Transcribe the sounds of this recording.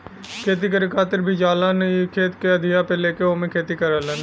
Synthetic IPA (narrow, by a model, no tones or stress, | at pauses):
kʰeːt̪̬ik̬əɾikʰaːt̪ɪɾbʱid͡ʒaːlanɐkʰeːt̪keɐd̪ʱijapeleːkeomẽkʰeːt̪ikɐɾaːlan